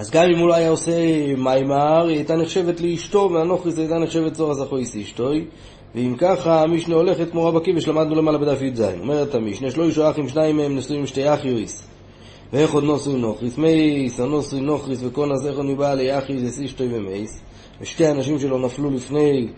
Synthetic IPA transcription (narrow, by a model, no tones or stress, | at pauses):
azɡamimulaajaose̞majmaʁajtaneχʃevet̪leiʃto̞veano̞χʁis̬ajtaneχʃe̞vetzoʁazaχojsiʃto̞j | veimkaχaːmiʃneo̞le̞χet̚kmo̞ʁabakibeʃlamad̪nule̞malabed̪afjuzajnome̞ʁet̪amiʃneʃelo̞iʃoaχimʃnaimaemnosuimʃte̞jaχjojs | veeχo̞d̪nosuimno̞χʁisme̞jsanosujnoχʁisveko̞nazeχod̪mibaleaχjojsesiʃto̞jvemejs | veʃte̞janaʃimʃelo̞naflulifne̞j